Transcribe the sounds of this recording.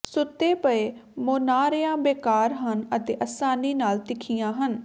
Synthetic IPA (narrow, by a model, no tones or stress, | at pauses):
sʊt̪ːeːpəeːmoːnaːɾjãːbeːkaːɾɦənət̪eːʔəsaːniːnaːlt̪ɪkʰɪjãːɦən